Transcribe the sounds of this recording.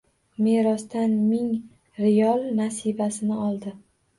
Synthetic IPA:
me̞ɾɒst̪anmɪŋ | ɾɪjɒlˠnasibasɪnɪɒlˠd̪ɪ

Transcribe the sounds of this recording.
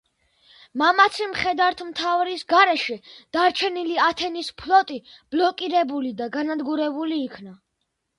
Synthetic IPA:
mamat̪sʰimχɛd̪aɾt̪ʰmt̪ʰavɾisɡaɾɛʃɛd̪̥aɾt͡ʃʰɛniliat̪ʰɛnispʰlɔt̪ʼib̥lɔkʼiɾɛbulid̪aɡanad̪ɡuɾɛbuliːkʰna

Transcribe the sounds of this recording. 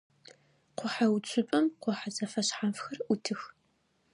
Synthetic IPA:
qʷʊħawt͡ɕʷʰʼʊpʼɐmqʷʊħazɐfɐɕħamfxɐrutʰɨx

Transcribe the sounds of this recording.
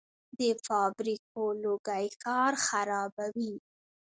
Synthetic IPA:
d̪əfɑbɾik̚oloɡajkɑɾxaɾɑbawi

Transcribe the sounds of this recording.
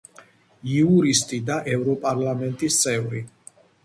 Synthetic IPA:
iuɾist̪ʼid̪aʔɛvɾɔpʼaɾlamɛnt̪ʼist̪sʼɛvɾi

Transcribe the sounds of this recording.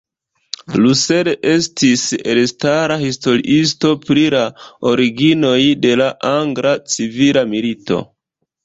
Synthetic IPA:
luse̞leʔe̞stise̞lstaɾahisto̞ɾḭʔis̬to̞pɾilao̞ɾiɡino̞jde̞laʔaŋɡɾat͡sivilamilito̞̰

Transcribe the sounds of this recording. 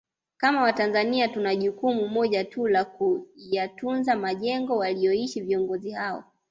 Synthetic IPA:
kamawatanzaniatunaʄukumumɔʄatʰulakujatunzamaʄɛŋɡɔwaliɔiʃiviɔŋɡɔzihaɔ̰

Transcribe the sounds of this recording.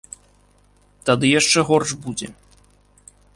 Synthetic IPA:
t̪ad̪ɨjaʂt͡ʂɛɣɔrʂbud͡zʲɛ̰

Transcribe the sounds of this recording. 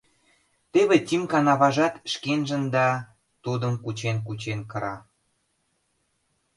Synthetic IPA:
t̪eβet̪ʲimkɑnɑβɑʒɑt̪ʃkenʒə̆nd̪ɑ | t̪ud̪əmkut͡ɕenkut͡ɕenkəɾɑ

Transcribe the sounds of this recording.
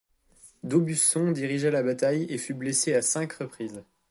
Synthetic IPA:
d̪obysɔ̃d̪iʁiʒalabat̪ajefybleseasɛ̃kʁəpχiːz

